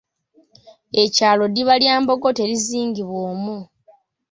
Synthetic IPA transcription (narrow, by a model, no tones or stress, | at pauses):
e̞caːlo̞diβaljaːmbo̞ɡo̞te̞ɾiziːŋɟiβwoːmu